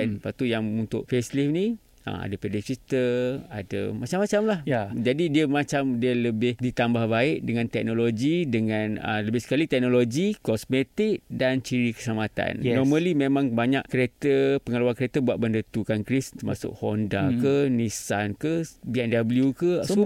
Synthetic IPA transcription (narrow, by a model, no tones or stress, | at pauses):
npat̪ujaŋunt̪ʊʔ̚feslifni | ə̰a̰dəpɛdikit̪əa̰də̰mat͡ʃamat͡ʃamlajd͡ʒadidiəmat͡ʃamdiələbɪhdit̪ambahbaɪʔdəŋãnt̪ɛk̚noloɡidəŋãnə̰ləbɪhsə̥kalit̪ɛk̚noloɡikɔsmet̪ɪk̚dant͡ʃiɾikə̥samat̪a̰nnɔmə̃limemãŋbaɲaʔkəɾet̪əpəŋəluankəɾet̪əbuat̪̚bəndət̪ukankɾist̪ərmasʊ̰ʔ̚hondakənisankəbiɛndabəljukə